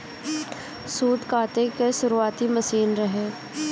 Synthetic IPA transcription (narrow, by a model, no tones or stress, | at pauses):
suːʈ̪kaːt̪ekeʃʊɾuaːt̪iməsiːnɾəɦeː